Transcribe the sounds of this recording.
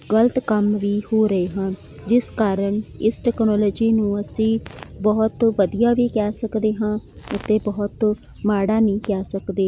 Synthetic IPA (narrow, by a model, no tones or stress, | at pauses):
ɡələt̪kəmʋiːhoːɾəeːɦãːn | d͡ʒɪskaːɾəɳɪsʈɛːknɔːlɔːd͡ʒiːnũːəsĩːbɔɦt̪ʋəd̪ijaːʋiːkɛːsəkd̪eːɦãːʊt̪eːbɔːʊt̪ | maːɽaːnĩːkɛːsəkd̪eː